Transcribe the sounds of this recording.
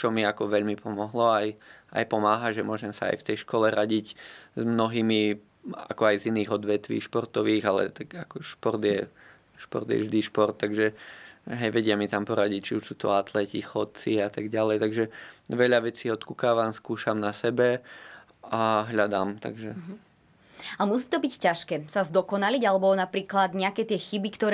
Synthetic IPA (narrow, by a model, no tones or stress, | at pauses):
t͡ʃɔmiakɔʋɛʎmipʰɔmɔɦlɔaja̰jpɔmaːɦaʒɛmʊɔʒɛmsa̰a̰jft̪ɛjʃkɔlɛɾʔaɟiɟzmnɔɦiːmi | a̰kɔajziniːɣɔd̪ʋɛt̪ʋḭːʃpɔɾt̪ɔʋiːɣalɛ̰t̪akakɔʃpɔrd̪jɛ | ʃpɔ̰ɾd̪jɛ̰vʒd̪iʃpɔrt̪ːaɡʒɛɦɛjʋɛɟɪamit̪ampɔɾaɟict͡ʃiuʃsuːt̪ɔ̰at̪lɛcixɔt̪̚t͡siat̪aɡɟalɛjt̪aɡʒɛʋɛʎaʋɛt͡siːɔt̪kukaːʋamskuːʃamnasɛbɛ | aɦʎad̪aːmt̪a̰ɡʒɛ | amusiːt̪ɔbiccaʃkɛːsazd̪ɔkɔnaliɟalɛbɔnapɾiːklad̪ɲɛakɛːt̪ɪɛxibikt̪ɔɾ